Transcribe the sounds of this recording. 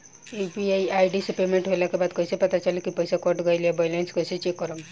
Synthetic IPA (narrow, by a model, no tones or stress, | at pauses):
ebiajajɖisepemeɳʈɦojlakebad̪kɔjsepət̪at͡ʃalikipɔjsakɔʈɡʌjliebajlenskɔjset͡ʃekːɔɾɔm